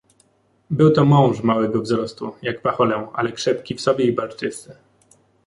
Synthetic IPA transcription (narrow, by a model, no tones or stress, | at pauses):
bɘwt̪ɔmɔ̃w̃ʐmawɛɡɔvzɾɔst̪ṵjakpaxɔlɛ̃a̰lɛkʂɛp̚kʲifsɔbʲjɛibalt̪ɘsɘ